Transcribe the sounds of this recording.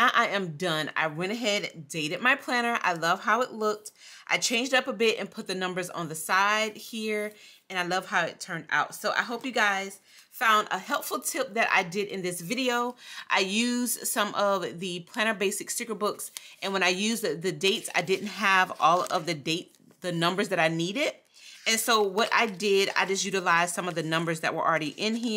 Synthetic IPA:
naʊʔaɪɨ̃mdʌ̃na̰ɪwɛ̃ɾ̃ɨɦɛd̚deɪɾɨd̚maɪpʰl̥æñə˞ʔa̰ɪlʌv̥ɦaʊɨʔˡlʊk̚tʔaɪt͡ʃʰẽɪ̃nd͡ʒdʌpəbɪɾɨ̰̃npʰʊt̪̚ðɨnʌ̃mbə˞zn̩ðɨsaɪd̚hiɹɨ̃ñaɪlʌv̥haʊɨtʰɜ̃˞nda̰ʊtsoʊʔa̰ɪɦoʊpjɨɡaɪz̥ | fãʊ̃ndə̰hɛlˠpfl̩ˠtʰɪp̚ðɨɾʔa̰ɪdɪɾɨ̰̃nðɪsvɪɾioʊʔa̰ɪjʉz̥sʌ̃mʔʌvðɨpʰl̥æñə˞beɪsɨksʉkə˞bʊksɨ̃nwə̃ɾ̃aɪjʉzðɨdeɪtsa̰ɪdɪdⁿn̩t̚ɦəvɔlˠʌvðɨdeɪt | ðɨnʌ̃mbə˞zðɨɾaɪniɾɪɾ | ɨ̃nsoʊwʌɾʔa̰ɪdɪɾa̰ɪd͡ʒʌst̚jʉɾəlaɪz̥sʌ̃mʌvðɨnʌ̃mbə˞zðɨ̰ʔ̚wə̰˞ʔl̩ˠɹɛɾiʔɪ̃nɦi

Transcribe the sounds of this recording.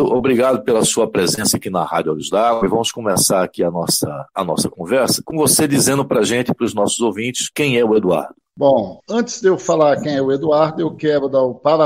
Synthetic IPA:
ʊʔobɾiɡad̪ʊpelɐsuɐpɾezẽsɐakinɐha̰dʊoliʒd̪aɡɪvɐ̃mʊskõmesaɾakiɐnɔsɐ̰ːnɔ̰sɐkõvɛɾsɐ̥kõvosed̪izẽnd̪ʊpɾɐʒẽnt̪ɪpɾʊznɔsʊzowvĩnt͡ʃɪ̥skẽj̃ɛʊed̪ua̰ɾd̪ʊbõɐ̃t͡ʃ̪ɪ̥zd̪ewfalaɾkẽj̃ɛʊed̪uaɾd̪ʊewkɛbɾʊd̪ɐwpala

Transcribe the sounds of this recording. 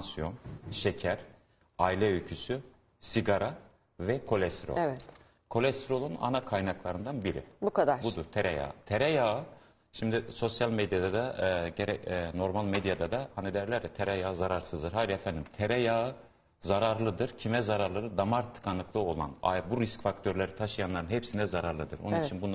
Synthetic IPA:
ansijonʃɛcʰæɾ̥ | ajlʲɛøjcʰysy | siɡaɾa | vɛkʰo̞lʲɛst̪ɾo̰ɛvɛt̪ | kʰo̞lʲɛst̪ʰɾo̞lˠuna̰nakʰajnaklˠaɾɯnd̪anbiɾḭbukʰad̪abud̪uɾt̪ʰeɾɛja̰ɯt̪ʰeɾɛjaɯ | ʃimd̪iso̞sjalʲmed̪jad̪ad̪aɟeɾɛno̞ɾmalˠmed̪jad̪ad̪ahanid̪ɛɾlʲæɾd̪ɛt̪ʰeɾɛjaːɯzaɾaɾsɯzd̪ɯɾɦajɾiefænd̪imt̪ʰeɾɛjaɯ | zaɾaɾlˠɯd̪ɯɾcʰimɛzaɾaɾlˠaɾɯd̪amaɾt̪ʰːɯ̥kʰanˠɯklˠɯo̞lˠa̰na̰buɾiscfak̚t̪ʰø̞ɾlʲeɾit̪ʰaʃɯjanˠaɾɯnɦɛpsinɛzaɾaɾlˠɯd̪ɯ̰ɾo̰nnit͡ʃt͡ʃʰinbun

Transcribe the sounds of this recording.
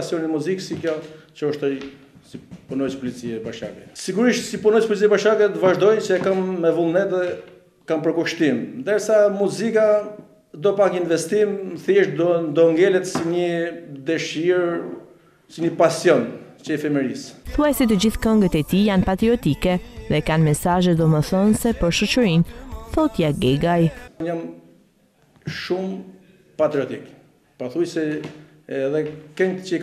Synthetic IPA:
sjɔnimuziksikjɔt͡ʃəɔʃt̪ɔj | sipunɔjspɔlit͡siɛbaʃa̰kɛsiɡuɾiʃt̪sipunɔjspɔlit͡siɛbaʃakɛt̪vaʒd̪ɔjt͡ʃəɛkamːɛvulˠnɛt̪ðɛ | kampəɾkuʃt̪imnd̪əɾsamuzika | d̪ɔpakinvɛst̪imθiʃnd̪ɔŋɡɛlɛt̪siɲəd̪əʃiɾ | siɲəpasjɔn | t͡ʃəɛfɛmɛɾisθuajsɛt̪əd͡ʑiθkɔŋɡət̪ɛt̪ijanpat̪ɾiɔt̪ikɛðɛkanmɛsaʒɛd̪ɔməθɔnsɛpəɾʃɔt͡ʃəɾinθɔt̪jaɡɛɡajɲam | ʃum | pat̪ɾiɔt̪ik | paθujsɛ | ɛðɛkɛɲt͡ʃə

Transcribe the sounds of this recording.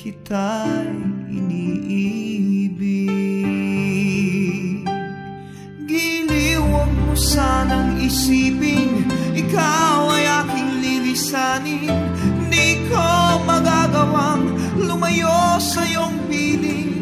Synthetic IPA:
kɪt̪a | ɪ̰niʔ | bi | ɡiliwɐŋmʊsaːnɐŋɪsiːpɪŋɪkawɐjʔaːkɪŋlilɪsaːnin | niɪkomɐɡaɡɐwaŋ | lʊmɐjosɐjoŋpiːli

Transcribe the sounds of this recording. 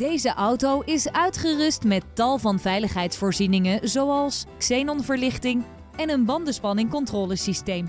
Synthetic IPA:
d̥ejzəʔɑwtowʔɪsœɥtχərɵstmɛtːɑlˠvɑnvɛjləχɦɛjtsfoːɹzinɪŋəzowɑlˠsksejnɔnvəɹlɪχtɪŋ | ɛnənbɑndəspɑnɪŋkɔntrɔːləsistejm

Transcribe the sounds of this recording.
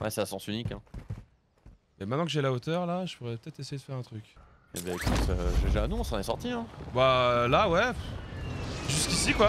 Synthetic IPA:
wɛ̰sɛasɑ̃synikɛ̰̃ | mɛmɛt̪nɑ̃kəʒɛlaot̪œʁlaʒəpuʁɛpə̥t̪ɛt̪χesejed̪əfɛʁɛ̃t̪χykʲ | ḛbaekut̪øʒəʒanɔ̃sɑ̃nɛsɔʁt̪iɛ̃balawɛ | ʒyskʲisikwa

